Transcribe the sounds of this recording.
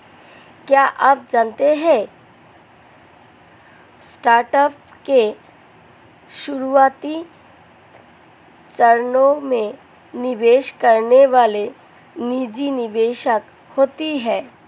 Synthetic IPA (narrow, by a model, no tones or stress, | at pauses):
kjaːʔɐp̚d͡ʒaːnt̪eɦɛ̃ | sʈaːɾʈəp | ke | ʃʊɾuaːt̪i | t͡ʃəɾnõmẽ | nɪʋeːʃkɐɾneʋaːle | nid͡ʒinɪʋeːʃək | hoːt̪iɦɛː